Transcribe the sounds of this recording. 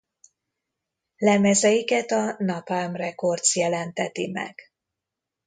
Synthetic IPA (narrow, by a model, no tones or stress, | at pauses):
lɛmɛzɛjikɛt̪ɒnɒpaːmrɛko̞rt̪sjɛlɛnt̪ɛt̪imɛ̰ɡ̥